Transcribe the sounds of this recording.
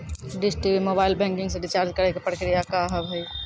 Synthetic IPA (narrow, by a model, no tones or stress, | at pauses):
ɖɪsʈibimobaːɪlbɛ̃ŋkɪ̃ŋɡsẽɖit͡ʃaːɾd͡ʒkəɾɛkepɾəkɾijakaɦəbʱəj